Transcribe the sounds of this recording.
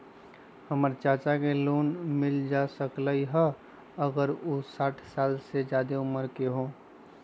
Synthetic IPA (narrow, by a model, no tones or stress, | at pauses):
həməɾt͡ʃaːt͡ʃakeloːnmɪld͡ʒaːsəkləiɦɛ | əɡəɾʊsaːʈʰsaːlsed͡ʒjaːd̪eʊməɾkeɦõː